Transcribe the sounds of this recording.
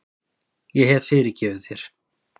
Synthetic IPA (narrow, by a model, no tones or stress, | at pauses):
jɛɦɛvfɪːɾɪcɛːvɪðθjɛɾ̥